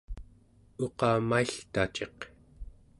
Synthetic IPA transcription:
o̞qɑːmaiɬt̪at͡ʃe̞q

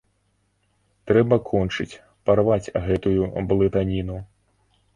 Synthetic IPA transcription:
t̪ɾɛbɐkʰɔnt͡ʂɨt͡sʲ | pɐrʋat͡sʲɣɛt̪ʊjublˠɪt̪anʲinu

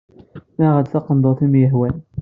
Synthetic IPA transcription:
mæʁəd̪θɑqənd̪ˤoθimjəɦwæn

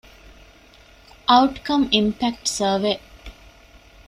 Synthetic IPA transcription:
ʔɐʊʈkɐmimpæk̚ʈsəːʋeː

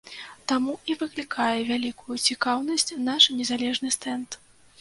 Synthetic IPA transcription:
t̪amuivɨklʲikʰajɛvʲalʲikujut͡sʲikawnɐsʲt͡sʲnaʂnʲɛzalʲɛʐnɨst̪ɛnt̪

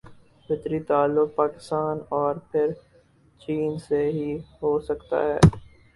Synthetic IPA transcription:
bɪt̪ɾit̪aːlːʊk̚paːkɪ̥st̪aːnɔːɾpʰɪɾ | t͡ʃiːnseɦiɦoːsɐkt̪a̰ɦɛ̰ː

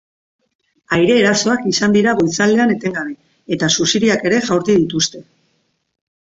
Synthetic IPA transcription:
ajɾe̞ːɾasoakisand̪iɾaɣo̞jt͡sald̪e̞ane̞t̪e̞ŋɡaβe | e̞t̪asusiðiake̞ɾe̞ʝawɾt̪iðit̪ust̪e̞

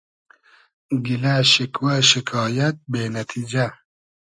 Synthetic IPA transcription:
ɡilɐʃikwɐʃikʰɑːjɐt̪̚beːnɐt̪ʰiːd͡ʒɐ

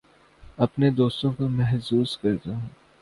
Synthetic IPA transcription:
ɐpned̪oːst̪õkomɛɦsuːzkɐɾt̪aɦũː

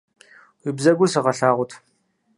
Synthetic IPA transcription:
wibzɐɡʷʊsɨʁɐɬaːʁʷʊtʰ

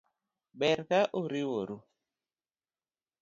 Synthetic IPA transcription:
ɓɛɾkaʔuɾiwoɾu

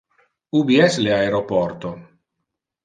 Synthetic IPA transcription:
ubiɛsleaeɾopɔɾt̪o

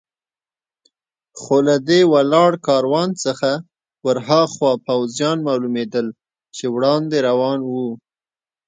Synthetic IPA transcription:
xolad̪ewalɑɽkɑɾwɑnt͡səxa | wəɾɦɑxwɑpawzjɑnmɑlumed̪əl | t͡ʃewɽɑnd̪eɾawɑnwu

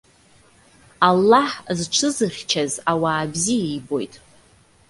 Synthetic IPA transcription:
alːaħzʈ͡ʂʰɨzɨrʲt͡ʃʰazawaːbziejbo̞̰jtʼ

